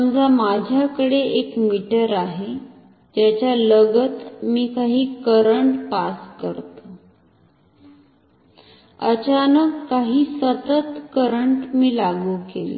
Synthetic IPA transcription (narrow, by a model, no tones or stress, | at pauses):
md͡zamad͡ʑʱjakəɽeekmiʈəɾaɦe | d͡ʑjat͡ɕjaləɡət̪miːkaɦiːkəɾəɳʈpaskəɾt̪ə | ə̰t͡ɕanəkːaɦiːsət̪ət̪kəɾəɳʈmiːlaɡuːkel̰